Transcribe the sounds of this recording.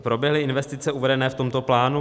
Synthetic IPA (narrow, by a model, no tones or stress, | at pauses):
pɾobjɛɦlɪɪnvɛst̪ɪt͡sɛuvɛdɛnɛːft̪o̞mt̪oplaːnu